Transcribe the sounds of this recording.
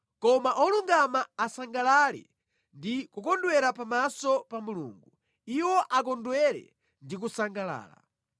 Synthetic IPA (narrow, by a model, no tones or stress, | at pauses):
kɔmaʔɔluŋɡamaːsaŋɡalalɛ̰ | ndikukɔndwɛɾapamasɔpamulṵːŋɡu | iwɔʔakɔndwɛɾɛ̰ | ndik̬usaŋɡala̰ːla̰